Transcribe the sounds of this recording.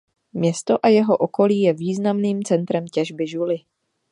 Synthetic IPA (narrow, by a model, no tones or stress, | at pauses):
mɲɛst̪o̞ʔajɛɦo̞ʔoko̞liːjɛviːznamniːmt͡sɛnt̪ɾɛmcɛʒbɪʒulɪ